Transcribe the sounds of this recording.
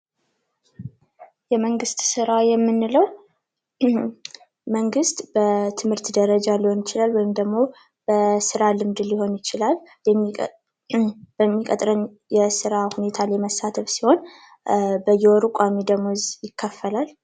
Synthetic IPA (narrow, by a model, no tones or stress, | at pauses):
jɛməŋɡɨst̪sɨɾajɛmːɨnːɨləw | məŋɡɨst̪b̥ət̪ʰɨmhɨɾt̪d̪əɾəd͡ʒalhonjɪt͡ʃɪlalwɔjɪmd̪əɡmo̞ | b̥əsɨɾalɨmd̪ɨlɪho̞njɪt͡ʃɪlal | b̥əmːikʼət̪ʼɾən | jɛsɨɾahune̞t̪ʰalajməsːat̪ʰəfsiho̞n | bəjɛwɔɾukʷʼamid̪əɡmozjɪkʰːəfːəlal